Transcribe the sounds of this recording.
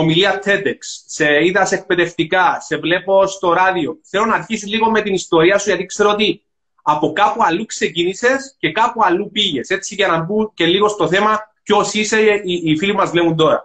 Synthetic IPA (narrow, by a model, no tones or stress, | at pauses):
omiliɐt̪ʰe̞t̪eksːeiðɐse̞k̚pe̞ðe̞ft̪ikɐse̞vle̞po̞st̪o̞ɾɐðio̞θelo̞nɐːɾçisizliɣo̞me̞t̪inist̪o̞ɾiɐsuʝɐt̪ikse̞ɾoot̪i | ɐpo̞kɐpuɐlːukse̞cinise̞sce̞kɐpuɐlːupiʝe̞se̞t͡siʝɐnɐbuce̞liɣo̞st̪o̞θe̞mɐco̞sise̞iːfilimɐzvle̞mund̪o̞ɾɐ̰